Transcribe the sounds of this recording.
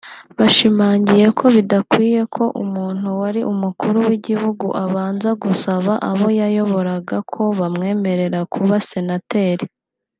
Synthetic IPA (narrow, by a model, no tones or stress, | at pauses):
βaʃimaːɲɟije̞kʰo̞βidakwiːje̞kʰo̞ʔṵmuːn̥huwaɾiʔumukuɾuwiɟihuɡṵʔaβaːnzaɡusaβaʔaβo̞jajo̞βo̞ɾaɡakʰo̞βamŋe̞ːme̞ɾe̞ɾakʰuβase̞nate̞ːɾi